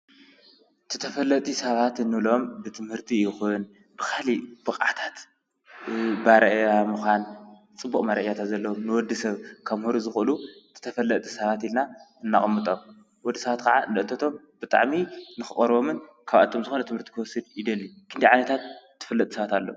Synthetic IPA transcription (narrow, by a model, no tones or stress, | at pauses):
t̪ʰɨt̪ʰɐfɐlːɐt̪ʼisɐβat̪ɨnːɨβlo̞mbɨt̪ʰɨmhɨɾt̪ʰijɪxun | b̥ɨkʰalib̥ɨqʼa̰t̪ʰḁt̪ | baɾɐʔjamɨxʷan | t͡sʼɨbːukʼmaɾɐ̰ʔjat̪ʰat̪zɐlːɐwomnɨwɔd̪isɐβkʰaβmhuɾuzɨxɨlut̪ʰɨ̥t̪ʰɐfɐlːɐt̪ʼisɐβat̪ilnaɨnːaχʼmːɨt̪ʼo̞m | wɔd̪ːisɐβat̪kʰɐʕanɨʔt̪ʰɐt̪ʰo̞m | b̥ɨt̪ʼa̰ʕminɨxɨχʼɐɾβomɨn | kʰaβa̰t̪ʰomzɨxonɐt̪ʰɨmhɨɾt̪ʰi̥kʰɨwɔsːɨd̪̚jɪd̪ɐlːikʰɨnd̪ejʕanɐt̪ʰat̪̚ʰː | ɨfɐlːɐt̪ʼi̥sɐβat̪alːou